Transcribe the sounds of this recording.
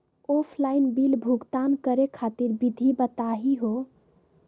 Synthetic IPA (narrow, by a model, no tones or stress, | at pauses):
opʰlainbilbʱuɡt̪ankəɾekʰat̪iɾbid̪ʱibət̪aɦiɦo